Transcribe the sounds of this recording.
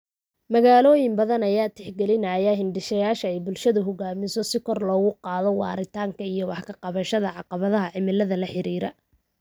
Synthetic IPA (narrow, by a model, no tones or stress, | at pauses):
mɐɣaːlɔːjɪmbɐðɐnɐjaːt̪ʰɪħɡɛlɪnɐjaɦɪnɖɪʃɐjaːʃɐɛjbʊlʃɐðʊɦɔɡaːmɪsɔsɪkʰɔrlɔːɣʊqɑːðɔwɑ̰ːɾɪt̪ʰaːŋkʰɐijɔwɑħkʰɐqɑβɐʃɐðɐʕɑqɑβɐðɐɦɐʕɪmɪlːɐðɐlɐħɪɾiːɾɐ